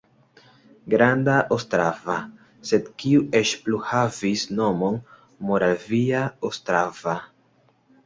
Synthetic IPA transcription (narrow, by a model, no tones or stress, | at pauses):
ɡɾandaʔostɾava | se̞dkiuʔe̞t͡ʃpluhavisno̞mo̞n | mo̞ɾaviaostɾava